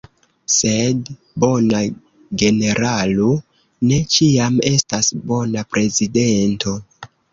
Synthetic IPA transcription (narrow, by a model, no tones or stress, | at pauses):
se̞d | bo̞na | ɡe̞ne̞ɾalu | ne̞t͡ʃiame̞stasbo̞napɾe̞zide̞nto̞